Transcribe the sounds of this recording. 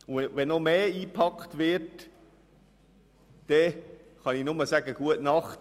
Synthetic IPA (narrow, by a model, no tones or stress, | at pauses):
ʊʋɛnomeːiːpʰɑkχt̪ʋɪɹt | d̥ɛχɑninʊməsæɡ̥əɡ̥uətnɑχt